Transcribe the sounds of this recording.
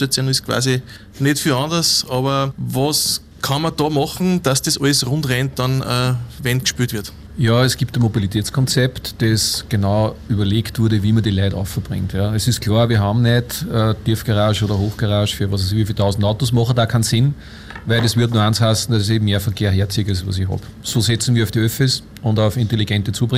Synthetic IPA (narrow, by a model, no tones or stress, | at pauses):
ɐt͡sonɪskʰv̥a̰ːsi | netfyɑndɐsɑβɐvɔs | kʰɑnmɐdɑːmɑχn̩d̥asd̥esʔɔɪsʁʊ̃ntʁɛntd̥ɑ̃nəvɛnkʃpyːtʋɪɐt | jɑːɛsɡ̥iːptənmobilitʰɛːt͡skʰɔnt͡sɛptd̥esɡ̥enaʊyːbɐleːktv̥ʊɐdəviːmɐdiːlæɪtɔ̰fəb̥ʁɪ̰ŋtjɑɛsɪskʰl̥ɑːɐvʋiːɐɦɑm̩nɛdətiɐfɡ̥aʁaːʃoːɾɐhoːxɡ̥aʁaːʃfyːɐʋɑsɛsiʋifiltʰaʊsn̩daʊtosmɑχədaːkʰansɪn | væɪldesʋɪɐtnuɐanshasn̩d̥asseːbm̩meːɐfɐkʰeːɐɦeːɐt͡siːɡɪsʋɑ̰sɪçɦɑ̰b̥ | soːsɛt͡sn̩ʋiːɐɑʊfd̥iøfɪs | ʊ̃ndɑʊfɪnteliɡɛntət͡suːbʁɪŋ